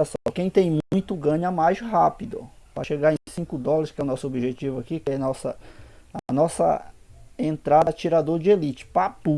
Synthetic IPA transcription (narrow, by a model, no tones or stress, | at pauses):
asɔkẽj̃t̪ẽj̃mũj̃t̪ʊɡɐ̃ɲɐmajzɦapid̪ʊ̰pɾɐʃeɡaẽsĩŋkʊd̪ɔlɐɾɪskɛʊnɔsʊobiʒet͡ʃivʊakikɪɛnɔsɐ̰ɐnɔsɐ̰ | ẽnt̪ɾad̪ɐt͡ʃiɾad̪oɾd͡ʒɪelit͡ʃɪ̥papu